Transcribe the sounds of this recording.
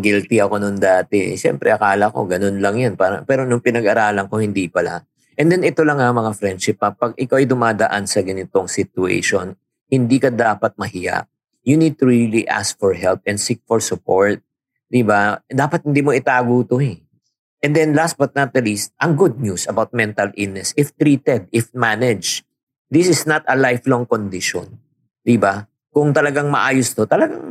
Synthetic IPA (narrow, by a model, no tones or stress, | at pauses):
ɡilt̪iɐko̞nʊŋd̪aːt̪ɛ̰ʃɛ̰mpɾʔɛ̰ʔɐkaːlɐko̞̰ɡɐno̞nlɐŋjanpaːɾɐ̰ŋpɛːɾonʊŋpɪnɐɡʔɐɾaːlɐŋkohɪnd̪iːpɐla̰ | ʔɛnd̪ɛnɪt̪o̞lɐŋamɐŋafɾɛnd̪ʃɪpːɐpɐɡ̚ʔɪkawʔɐjd̪ʊmaːd̪ɐʔansɐɡɐnɪt̪o̞ŋsɪt̪ʊḛjʃon | hɪnd̪iːkɐd̪aːpɐt̪̚mɐhɪja̰ʔ | jʊnid̪̚t̪ʊɹiliʔa̰sk̚fɔɹɦɛlp̚ɛnsik̚fɔɹsʊpoɹt̪̚ | d̪ɪbad̪aːpɐt̪hɪnd̪iːmoʔɪt̪aːɡuːt̪ohɛ | ʔɛnd̪ɛnlast̪̚bɐt̪̚nɐt̪̚ːɐlist̪̚ʔɐŋɡud̪̚ɲusɐbawt̪̚mɛnt̪ɐlʔɪnːɛsɪft̪ɾiːt̪ɛd̪̚ɪfmanɛd͡ʒ | d̪ɪsɪsnɐt̪ɐlajflɔŋkond̪ɪʃɔ̰n | d̪ɪba | kʊŋt̪ɐlɐɡaŋmɐʔaːjost̪ot̪ɐlɐɡaŋ